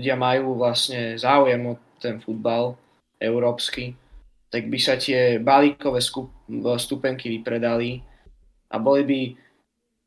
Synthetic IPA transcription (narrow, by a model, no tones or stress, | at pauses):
ɟɪamajuːʋlasɲɛzaːujɛmɔt̪ɛnfud̪̚bal | ɛʊɾɔːpski | t̪aɡ̚bisac̪ɪɛbaliːkɔʋɛːskust̪upɛŋkiʋipɾɛd̪ali | ʔa̰bɔlibi